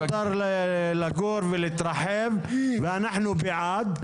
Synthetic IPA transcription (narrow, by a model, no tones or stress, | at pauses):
t̪ɑɾˤllaɡoːɾvɪlɪt̪ɾˤɑħeːmvanaħnubɪʕaːd̪